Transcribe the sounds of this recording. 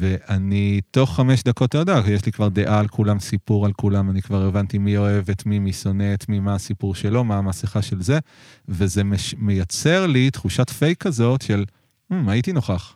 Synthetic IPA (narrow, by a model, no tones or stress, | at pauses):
ve̞ʔanit̪o̞χːame̞ʃd̪ako̞t̪ed̪akjeʃlikvaʁd̪e̞ʔaːlkʰulamsipuʁalkulamanikvaʁevantimio̞e̞ve̞tmimiso̞ne̞t̪mimaːsipuʁʃe̞lo̞maːmasiχaʃe̞lze̞ | ve̞ze̞meʃme̞jat͡se̞ʁlitχuʃatfejkːazo̞tʃe̞l | m̩aitino̞χaχ